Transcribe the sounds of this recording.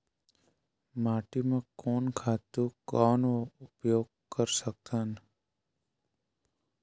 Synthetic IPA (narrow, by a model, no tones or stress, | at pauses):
maːʈimẽkoːnkʰaːt̪ukɔːnoʊpjoːɡ̚ | kəɾsək̚t̪an